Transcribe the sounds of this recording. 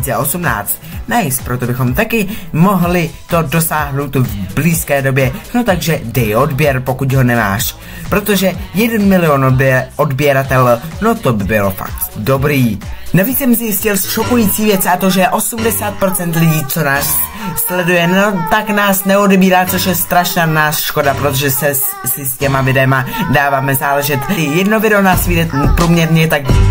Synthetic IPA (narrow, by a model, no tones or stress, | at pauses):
t͡sɛʔo̞sumna̰ːt͡st̪najist̪̚pɾo̞t̪o̞bɪxo̞mt̪akɪmo̞ɦlɪt̪o̞do̞saːɦnowt̪uvbliːskɛːdo̞bjɛno̞t̪aɡʒɛdɛjʔo̞dbjɛɾpo̞kucɦo̞nɛma̰ːʃ | pɾo̞t̪o̞ʒɛjɛdɛnmɪlɪo̞nʔo̞dbjɛɾat̪ɛlno̞t̪o̞bɪbɪlo̞fa̰k̚t̪do̞bɾiːnaviːt͡ssɛmzjɪscɪlʃokujit͡siːvjɛt͡sat̪o̞ʒɛjɛʔo̞sumdɛsaːt̪̚pɾo̞t͡sɛnt̪lɪɟiːt͡so̞naːsː | lɛdujɛno̞t̪aknaːsnɛo̞dɛbiːɾaːt͡so̞ʃjɛst̪ɾaʃnanaːsʃko̞dapɾot̪oʒɛsɛ | sɪscɛmavɪdɛmadaːvaːmɛzaːlɛʒɛt̪ɪjɛdnovɪdɛonaːsviːdɛpɾuːmɲɛɾɲɛt̪ak